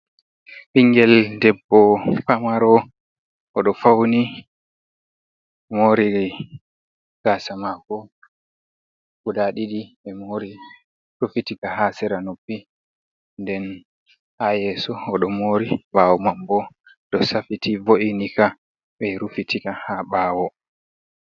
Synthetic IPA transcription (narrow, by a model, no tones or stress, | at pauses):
ɓiŋɡɛldɛbːɔpamaɾɔ | ɔɗɔfawni | moːɾi | ɡ̥asamakɔ | ɡudaɗiɗiɓɛmoɾi | ɾufitikaɦasɛɾanopːi | ndɛn | hajɛsɔːɗɔmoːɾivawɔmambɔ | dɔsafitʰivoʔinika | ɓɛɾufitʰikahaɓawɔ